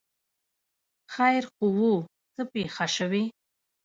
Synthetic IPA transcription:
χajrqʼʊwu | tʰʼɨpʼiχaʂaɥi

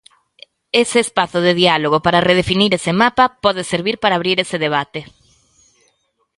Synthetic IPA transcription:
eseːspaθoð̞eð̞ialoɣ̞opaɾareð̞efiniɾesemapapɔð̞eseɾβiɾpaɾaːβɾiɾeseðeβ̞at̪e

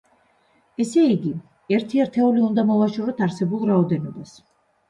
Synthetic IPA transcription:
ɛsɛiɡi | ɛɾt̪ʰiɛɾt̪ʰɛuliund̪amɔvaʃɔɾɔt̪ʰaɾsɛbulˠɾaɔd̪ɛnɔbas

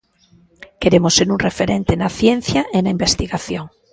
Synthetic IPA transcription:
keɾemoseɾunrefeɾẽnt̪enaθjen̟θjaʔenaimbest̪iɣaθjoŋ

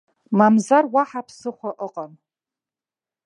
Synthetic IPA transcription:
mamzarwaħapʰsɨχʷaʔəqʼam

